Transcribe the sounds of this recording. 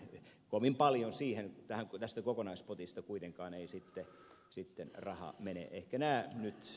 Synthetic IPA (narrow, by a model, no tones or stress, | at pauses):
koʋimpɑljonsiːhent̪æhækt̪æst̪ækokonɑispot̪ist̪ɑkuit̪eŋkɑːneisit̪ːe | sit̪ːenrɑhɑ̰menḛʔehkænæːnyt̪